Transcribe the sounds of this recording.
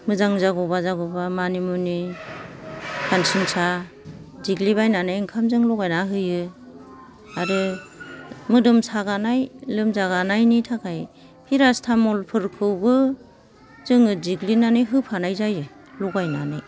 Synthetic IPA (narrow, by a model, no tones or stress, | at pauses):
mɯzaŋzaɡɔbazaɡɔbamanimuni | kʰansinsa | ziɡlibajnanɯjŋkʰamzɯŋlɔɡajnaɦɯjɯ | aɾɯ | mɯdɯmsaɡanajlɯmzaɣanajnitʰakʰaj | pʰiɾastʰamɔlpʰɯɾkʰɯwbɯ | zɯŋɯziɡlinanɯjɦɯpʰanajzajɯ | lɔɡajnanaj